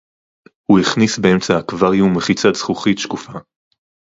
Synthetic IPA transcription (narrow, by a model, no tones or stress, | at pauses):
huiχnisbeemt͡saakvaʁjumeχit͡sat͡sχuχitʃkufa